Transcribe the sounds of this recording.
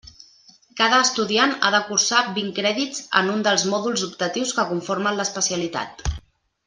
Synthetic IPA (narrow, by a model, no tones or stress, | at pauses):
kaðəːst̪uðiana̰ðəkuɾsabiŋkɾɛðid͡zə̰nund̪əlˠzmɔðulˠzub̚t̪ət̪iwskəkuɱfoɾmənləspəsiəlit̪a̰t̪